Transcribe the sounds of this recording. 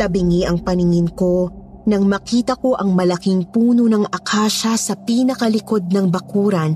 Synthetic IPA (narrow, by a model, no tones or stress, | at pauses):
t̪ɐbɪŋiʔɐŋpɐnɪŋɪnko̞nɐŋmɐkiːt̪ɐko̞ʔɐŋmɐlɐkɪŋpuːnonɐŋʔɐkʰaːʃɐsɐpiːnɐkɐlɪko̞d̪̚nɐŋbɐkuːɾɐn